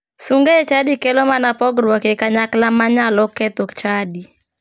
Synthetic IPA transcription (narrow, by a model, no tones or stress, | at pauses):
suŋɡet͡ʃadikelomanapɔɡɾwɔkekaɲaklamaɲalɔkɛt̪okt͡ʃadi